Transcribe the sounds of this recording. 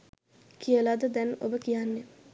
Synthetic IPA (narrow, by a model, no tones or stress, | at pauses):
kʰiəlad̪əd̪ɛno̰bəkijanːe